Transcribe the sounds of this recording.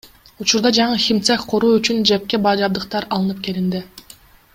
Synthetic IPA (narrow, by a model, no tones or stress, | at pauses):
ut͡ʃuɾd̪ɑd͡ʒɑɴɯxʲimt̪sekqʰo̞ɾuːyt͡ʃynd͡ʒep̚ke̞bɑːd͡ʒɑb̚d̪ɯq̚t̪ɑɾɑlˠɯnɯp̚ke̞lind̪i